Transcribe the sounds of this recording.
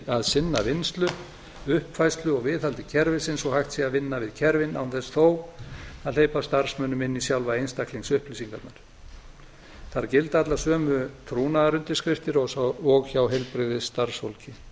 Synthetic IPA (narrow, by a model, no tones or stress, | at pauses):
aðsɪnːavɪnst̪lʏ | ʏhpfajst̪lʏɔɣvɪðalt̪ɪcʰɛɾvɪsɪnsɔɣhaxt̪siɣavɪnːavɪðcʰɛɾvɪnawnθɛsθowaðleːjpast̪aɾ̥smœnːʏmɪnːisjawlvaejnst̪akliŋksʏhplisiŋkat̪naɾ̥ | θaɾcɪlt̪at̪lasœːmʏt̪ʰɾuːnaɾʏnt̪ɪskɾɪft̪ɪɾɔɣsaɔɣçawɦejlpɾɪðɪst̪aɾ̥sfolcɪ